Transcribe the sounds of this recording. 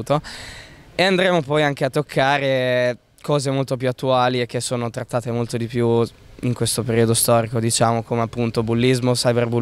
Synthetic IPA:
t̪o | eand̪ɾemopɔjaŋk̟eat̪ːokʰːaːɾe | kɔːzemolt̪op̬juat̪ːuaːliek̟ːesːoːnot̪ɾat̪ːaːt̪emolt̪od̪ipju | iŋkwest̪opeɾiːod̪ost̪ɔːɾikod̪it͡ʃaːmokomeapːunt̪obulːizmosajberbu

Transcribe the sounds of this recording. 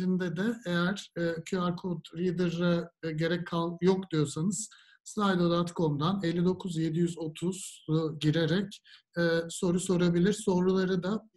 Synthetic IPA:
ind̪ɛd̪ɛejæɾ̥ːcʰyaɾkʰod̪ɾid̪ɯɾːaɟe̞ɾɛcʰːalˠjokd̪ijo̞sanɯz̥ | slajd̪o̞d̪at̪kʰo̞md̪anelʲːid̪o̞kʰuzje̞d̪ijyzo̞t̪ʰuz̥uɟiɾe̞ɾɛc | ɛso̞ɾuso̞ɾabilʲiɾso̞ɾlulˠaɾɯd̪a

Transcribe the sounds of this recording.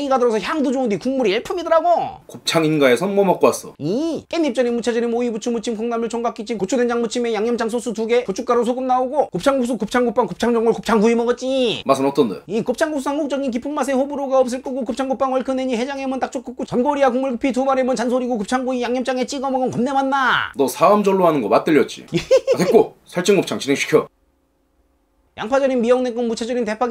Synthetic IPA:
ɡiɡadɯɾʌsʰʌçjaŋdod͡ʑoundikuŋmuɾiiɭpʰumidɯɾaɡokot͡ɕʰaŋinɡaesʰʌnmʌmak͈oas͈ʌik͈enːip̚t͡ɕ͈ʌɾinmːut͡ɕʰad͡ʑɯɾimoibut͡ɕʰumut͡ɕʰimkɯŋnamɯɭt͡ɕʌŋɡak͈it͡ɕʰinkot͡ɕʰudend͡ʑaŋmut͡ɕʰime̞jaŋɲʌmt͡ɕ͈aŋs̬ʰosʰutuɡe̞kot͡ɕʰuk͈aɾos̬ʰoɡɯmnaoɡokop̚t͡ɕʰaŋɡuks͈ʰukɯp̚t͡ɕʰaŋɡop͈aŋkop̚t͡ɕʰaŋd͡ʑʌŋːɯɭkɯp̚t͡ɕʰaŋɡuimʌɡʌt͡ɕ͈imasʰɯnʌt͈ʌndḛikop̚t͡ɕʰaŋɡuks͈ʰusʰaŋɡuk̚t͡ɕ͈ʌɡink̬ipʰumːmas̬ʰe̞ɸobuɾoɡaʌp̚s̬͈ɯɭk͈ɯɡokɯp̚t͡ɕʰaŋɡɯp͈aŋwʌɭkʰɯneɲihe̞d͡ʑaŋemɯnt͈ak̚t͡ɕ͈ok͈ɯk̚k͈ut͡ɕʌnɡoɾiakoŋmuɭɡɯpʰitumaɾe̞mɯnt͡ɕansʰoɾiɡokɯp̚t͡ɕʰaŋɡuijaŋɲʌmt͡ɕ͈aŋe̞t͡ɕ͈iɡʌmʌɡʌnkʌmnemanːanʌsʰaʌmd͡ʑʌɭːoɦanɯnɡʌmat̚t͈ɯʎjʌt̚t͡ɕ͈ḭjeetk͈osʰaɭt͡ɕ͈ɯŋɡop̚t͡ɕʰaŋt͡ɕinʰeŋɕʰi̥kʰjʌ | ja̰ŋpʰad͡ʑʌɾinbiʌŋnek͈ɯnmut͡ɕʰed͡ʑʌɾint̬e̞pʰa

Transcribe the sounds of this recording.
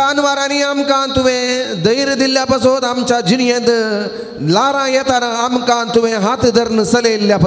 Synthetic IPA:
aːnʋaːɾaːniaːmkaːnt̪uʋẽd̪ɐjɾɨd̪iljaːpɐsoːd̪aːmt͡ʃaːd͡ʒinijẽnd̪ɨ | laːɾãːjet̪aːɾɐaːmkaːnt̪uʋẽːɦaːt̪d̪ɐɾnɨsɐleːljaːpɐ

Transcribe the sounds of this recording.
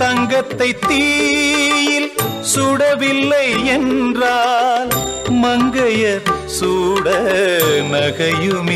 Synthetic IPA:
t̪ɐŋɡɐt̪ːɐɪt̪ːiː | jɪl | sʊɽɐʋɪlːɐɪɛndraːl | mɐŋɡɐjɐɾ | suːɽɐnɐɣɐjɯm

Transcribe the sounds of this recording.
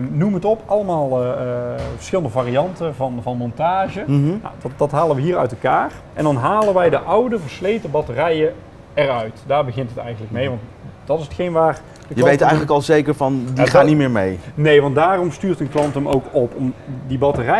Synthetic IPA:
numəətɔpɑlˠəmaːlˠ | və̥ɹsxɪləndəvaːriɑntəvɑnvɑnmɔntaːʒəna̰dɑdɑtɦaːləʋəɦiːɹœ̰ɥtɛlˠkaːr | ʔɛndɑnɦaːlənʋɛjdəʔʌwdəvəɹslejtəbɑtərɛjə | ɛrœɥtdaːɹbəɣɪntɦətɛ̰jɣənləkmejʋɑnt | d̥ɑtɪsətxejnʋaːr | d̥əjəʋejtɛjɣənləkɑlˠzejkəɹvɑndiχaːnitmɪːɹmejnejʋɑntdaːrɔmstyːɹtənkwɑntəmowkɔpɔmdibɑtərɛ

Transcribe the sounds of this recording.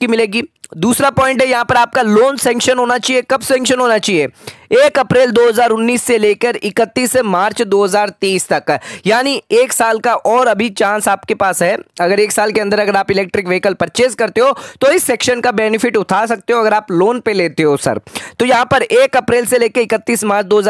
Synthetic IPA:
kimɪleːɡiːd̪uːsɾapɔ̃ːɪ̃ɳʈɦɛjɐɦãpɐɾaːp̚kaloːnsɛ̃ːŋkʃənɦoːnat͡ʃaːɦiekɐbsɛ̃ːŋkʃənɦoːnat͡ʃaːɦieːeːkɐpɾeːld̪oːɦɐzaːɾʊnːiːsːeleːkəɾɪkət̪ːiːsemaːɾt͡ʃd̪oːɦɐzaːɾt̪eːst̪ɐkjaːnieːksaːlkaʔɔːɾɐbʱit͡ʃãːnsaːpkepaːsɦɛɐɡəɾeːksaːlkeɐ̃nd̪əɾɐɡəɾaːpɪlɛːk̚ʈɾɪkʋeːɪkəlpɐɾt͡ʃeːskɐɾt̪eɦoːt̪oɪsːɛːkʃənkabɛːnɪfɪʈʊt̪ʰaːsɐk̚t̪eɦoːɐɡəɾaːploːnpeleːt̪eɦosɐ̰ɾt̪ojɐɦãpɐɾeːkɐpɾeːlseleːkeɪkət̪ːiːsmaːɾt͡ʃd̪oːɦɐza

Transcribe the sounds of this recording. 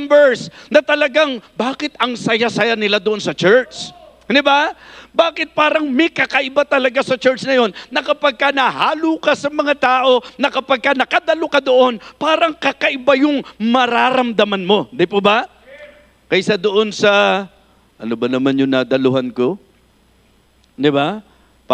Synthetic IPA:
mbɛɹsnɐt̪ɐlɐɡaŋbaːkɪt̪ɐŋsɐjasɐjanɪlad̪oʔo̞nsɐt͡ʃɛɹt͡ʃ | d̪ɪbabaːkɪt̪̚paːɾɐŋmɛkɐkɐʔɪbat̪ɐlɐɡasɐt͡ʃɛɹt͡ʃnɐjo̞nːɐkɐpɐɡ̚kanɐhaːluːkɐsɐmɐŋat̪aːʔo̞nɐkɐpɐɡ̚kanɐkɐd̪ɐlokɐd̪o̞ʔo̞npaːɾɐŋkɐkɐʔɪbajʊŋmɐɾaːɾɐmd̪ɐmanmo̞d̪ɪpʊba | kɐjsad̪oʔonsɐ | ʔɐnobɐnɐmanjʊŋnad̪ɐlʊɦanko | d̪ɪba

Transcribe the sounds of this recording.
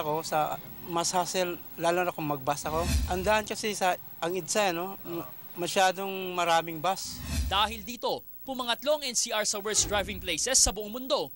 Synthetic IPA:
ɐko̞sɐmɐshasɛl | laːlonɐkʊŋmɐɡ̚basɐko̞ʔɐnd̪aʔɐnkɐsɪsɐ | ʔɐŋɪd̪saɐno | mɐʃaːd̪o̞ŋmɐɾaːmɪŋbasd̪aːɦɪld̪iːt̪o̞ | pʊmɐŋɐt̪lo̞ʔɐŋʔɛnsiːʔaɹsɐwɛɹsd̪ɹajvɪŋplejsɛsːɐbʊʔoŋmʊnd̪o̞

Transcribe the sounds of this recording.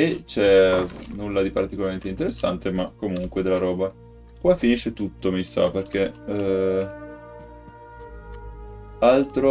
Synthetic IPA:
et͡ʃɛnulːad̪ipaɾt̪ikolaɾment̪eint̪eɾesːant̪emakːomuŋkwed̪elːaɾɔːba | kwafːiniʃet̪ut̪ːomisa̰perk̟e | alt̪ɾo

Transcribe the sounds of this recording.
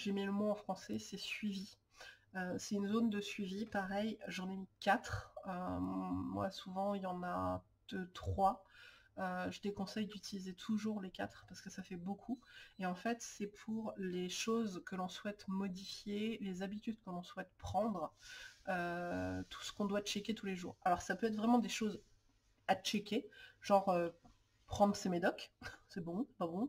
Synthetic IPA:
ʒemɛləmɔ̃ɑ̃fχɑ̃sɛsɛsɥivi | øsɛynzond̪əsɥivipaʁɛjʒɑ̃nemikʲat̪χømwa̰suvɑ̃iljɑ̃na̰ | d̪̥øt̪χwa | øʒəd̪ekɔ̃sɛjd̪yt̪ʰilizet̪ʰuʒuʁlekʲat̪χpaʁsə̥kəsafɛbokʰueɑ̃fɛt̪sɛpʰuʁleʃozkəlɔ̃swɛt̪mɔd̪ifjelezabit̪yd̪̚kəlɔ̃swɛt̪pχɑ̃d̪ʁəøt̪ʰu̥sə̥kɔ̃d̪wat͡ʃɛkʲet̪uleʒṵːʁalɔʁsapøɛt̪χvʁɛmɑ̃d̪eʃoz | at͡ʃɛkʲeʒɑ̃ʁø | pχɑ̃d̪ʁəsemed̪ɔksɛbɔ̃pabɔ̃

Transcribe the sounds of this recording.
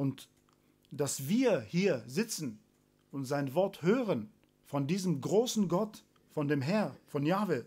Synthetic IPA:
ʔʊnt | d̥asv̥iːɐhiːɐzɪt͡sn̩ | ʊntz̥aɪnvɔɐthøːʁən | fɔndiːzəmɡʁoːsn̩ɡɔt | fɔndeːmɦɛɐfɔnjaːve

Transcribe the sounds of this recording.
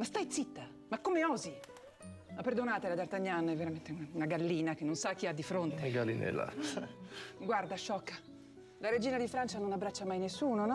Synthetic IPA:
mast̪ajt̪sit̪ːa | makːomeɔːzi | mapːerd̪onaːt̪elad̪art̪aɲːanɛvːeɾament̪eunaunaɡalːiːnak̟enːonsak̟ːiad̪ːifɾont̪eɡalḭnɛ̰la̰ | ɡward̪aʃːɔkːa | laɾed͡ʒiːnad̪ifɾant͡ʃanonabːɾat͡ʃːamajnesːuːnonɔ

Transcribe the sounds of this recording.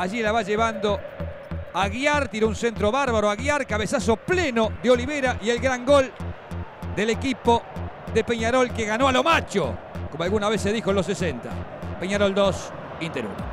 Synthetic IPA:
aʒilaβaʒeβand̪o | aɣjaɾt̪iɾounsent̪ɾoβaɾβaɾoaɣiaɾkaβesasoplenoðeo̞liβeɾaʔie̞lɣɾaŋɡol | d̪elekipoðe̞peɲaɾo̞lkeɣanoalo̞mat͡ʃo̰komoalɣunaβeseðixoenlosesent̪a̰pe̞ɲaɾold̪os | int̪eɾṵ

